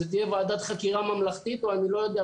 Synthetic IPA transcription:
et̪ijevaːd̪at̪χakiʁamamlaχt̪it̪oanilo̞jo̞d̪ea

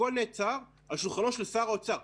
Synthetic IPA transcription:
olnet͡saʁ | aʃulχanoʃelsaːʁaot͡saʁ

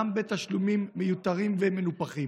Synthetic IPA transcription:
ambet̪aʃlumimːejut̪aʁimvemenupaχim

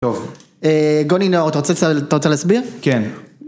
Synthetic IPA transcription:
tov | eɡoninoʁat̪aʁot͡seat̪aʁot͡selaːsbiʁken

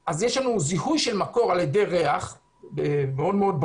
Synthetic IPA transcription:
ʔazjeʃlanuzihujʃelmako̞ʁaljede̞jʁe̞aχ | bemeo̞dmeo̞d̚b

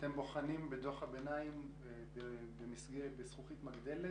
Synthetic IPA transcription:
t̪embo̞χanimbed̪o̞χhabenaim | bebemisɡebesχuχit̪maɡd̪ele

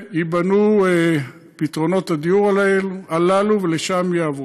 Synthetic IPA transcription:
ibanue | pit̪ʁo̞no̞t̪ad̪iuʁalelalaluveleʃamjaav

